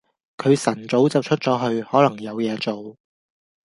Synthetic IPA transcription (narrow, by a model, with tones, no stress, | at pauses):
kʰɵ˨˧ɥsɐ˨˩nt͡so˨˥wt͡sɐ˨wt͡ʃʰɵ˥t̚t͡sɔː˨˥ɦɵ˧ɥhɔː˨˥lɐ˨˩ŋjɐ˨˧wjɛː˨˧t͡so˨w